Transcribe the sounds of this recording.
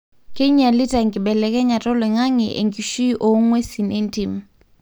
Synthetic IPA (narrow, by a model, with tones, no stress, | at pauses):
kʼe˦ɲa˨li˦tʼa˨ŋɡɪ˨ɓɛ˨lɛ˨kʼɛ˦ɲa˨tʼɔ˦lwɛ˨ŋa˦ŋɛ˨ʔḛ˨ŋɡi˨ʃi˦ʔo˨˦ŋwe˦si˨ne˦n˦tʼi˨m̩